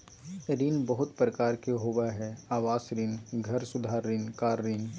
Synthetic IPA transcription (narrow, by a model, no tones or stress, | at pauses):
ɾiːnbəɦʊt̪pɾəkaːɾkeɦoʋaɦɛaːʋaːsɾiːnɡʱɐɾsʊd̪ʱaːɾːiːnkaːɾːiːn